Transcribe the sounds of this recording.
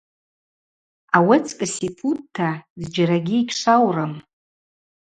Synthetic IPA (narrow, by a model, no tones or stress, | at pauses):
awet͡sʰʼkʼasipʰud̚tʰːazd͡ʒaɾaɡʲiːkʲʰʂʷawram